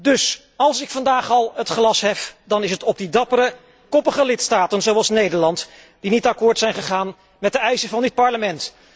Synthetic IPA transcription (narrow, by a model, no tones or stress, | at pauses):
dɵs | ɑlˠsɪkfɑndaːχɑlˠɦətχlɑsɦɛfdɑnɪsɦətɔb̚didɑpəɾə | kɔpəχəlɪtstaːtənzowɑlˠsnejdəɹlɑnt | d̥initɑkʊːɹtsɛjnχəχaːn | mɛt̚dəɛjsəvɑndɪt̚pɑɹləmɛnt